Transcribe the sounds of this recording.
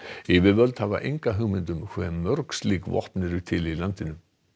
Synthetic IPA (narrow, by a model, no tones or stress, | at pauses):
ɪvɪvœlt̪hava̰ʔejŋkaɦɵːmɪnt̪ʏmkʰvɛmːœɾksliːkvɔ̰ht̪nɪɾʏt̪ʰɪlilant̪ɪnʏm